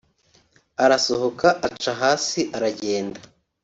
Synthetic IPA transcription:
aɾasohokaʔat͡ʃaɦaːsiʔaɾaɟe̞ːnda

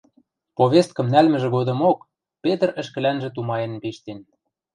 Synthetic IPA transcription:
poβʲest̪̚kɤ̆mnælmɘ̆ʒĕɣod̪ɤ̆mok | pet̪ə̆rə̆ʃkɘ̆lænʒĕt̪umɑjĕnpeʃt̪en

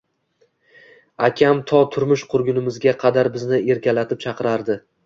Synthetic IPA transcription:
akʲʰamt̪ʰɒt̪ʰʊɾmʊʃqʰʊɾɡʲʊnɪmɪzɡʲaqʰɑd̪aɾbɪznɪe̞ɾkʲʰalat̪ʰɪp̚t͡ʃʰɑqʰɨɾaɾd̪ɪ

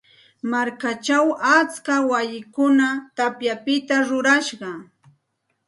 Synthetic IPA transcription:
maɾkat͡ʃawat͡skawajɪkʊnat̪apjapɪt̪aɾʊɾaʃɢɑ

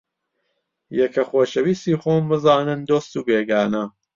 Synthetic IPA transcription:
jɛkʰɐxoːʃɐwist̪iːxoːmbɨzaːnɨnd̪oːst̪uːbeːɡaːnɐ

